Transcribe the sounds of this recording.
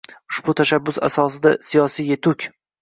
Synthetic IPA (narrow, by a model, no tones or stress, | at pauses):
ʊʃbʊt̪ʰaʃabːʊsa̰sɒsɪd̪asijɒsijje̞t̪ʰʊkʲ